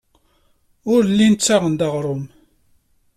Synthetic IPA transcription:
ʊɾlːint͡sːaʁənd̪ɑʁɾˤʊm

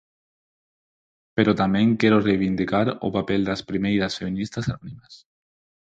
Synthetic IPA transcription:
peɾot̪amẽŋkeɾorejβind̪ikaɾo̰papeld̪aspɾimejɾasfeminist̪asanɔnimas

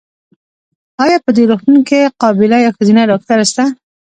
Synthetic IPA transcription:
ɑjɑpəd̪eɾoxt̪unkeqɑbɪlajɑwxəzinadɑk̚t̪aɾast̪a

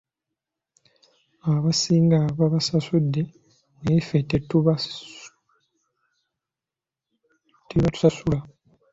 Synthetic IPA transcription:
aβasiːŋɡaβaβasasudːe̞ | ŋefetːetːuβa | tiβatu̥sasula

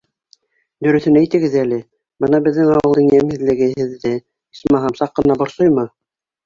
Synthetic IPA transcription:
d̪ɵ̆ɾɵ̆θɵnæjt̪ɘ̆ɡɘðælɘ | bɤnɑbɘ̆ðːɘŋɑwɤ̆lˠd̪ɤ̆ŋjæmhɘ̆ðlɘ̆ɡɘ̆ɦɘ̆ðːɘ | i̥smɑɦɑmsɑqːɤ̆nɑbŏɾsojmɤ

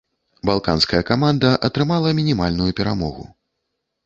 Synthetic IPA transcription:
balˠkanskɐjɐkamand̪ɐʔɐt̪ɾɨmalˠɐmʲinʲimalʲnujupʲɛɾamɔɣṵ

